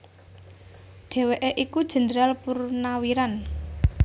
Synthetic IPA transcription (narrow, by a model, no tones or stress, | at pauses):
ɖ̥e̤weʔeʔikud̥ʒ̥ə̤nd̪əɾalpurnawiɾan